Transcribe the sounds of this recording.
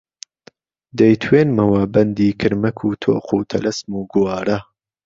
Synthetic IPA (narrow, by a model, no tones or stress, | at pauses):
d̪ɐjt̪ʰweːnmɐwɐbɐnd̪iːkʰɨɾmɐkʰuːt̪ʰo̰ːqʰuːt̪ʰɐlɐsmuːɡuwɑːɾɐ